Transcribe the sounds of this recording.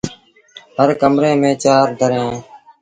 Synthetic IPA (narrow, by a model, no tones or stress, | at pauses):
ɦəɾkəmɾẽːmẽːt͡ʃaːɾɖʱəɾẽː